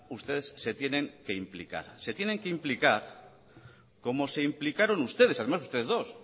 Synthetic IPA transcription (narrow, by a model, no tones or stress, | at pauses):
ust̪e̞ðe̞sːe̞t̪je̞nẽ̞ŋke̞implika̰ɾse̞t̪je̞nẽ̞ŋkeimplikaɾ | ko̞mo̞se̞implikaɾo̞nust̪e̞ð̞eaðe̞mas̬ust̪e̞ðezðo̞s